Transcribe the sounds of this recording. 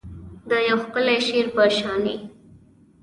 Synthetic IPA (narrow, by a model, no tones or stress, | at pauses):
d̪əjawxpəleʃeɾpəʃɑni